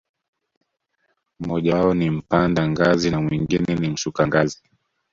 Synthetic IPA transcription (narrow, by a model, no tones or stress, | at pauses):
mɔʄaɔnim̩pandaŋɡazinamwiŋɡinɛnim̩ʃukaŋɡazi